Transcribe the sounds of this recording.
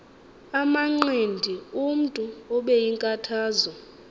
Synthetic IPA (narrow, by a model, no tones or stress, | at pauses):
amaŋ͡ǃendʱium̩tʼuɔɓɛjiŋkʼatʰaːzɔ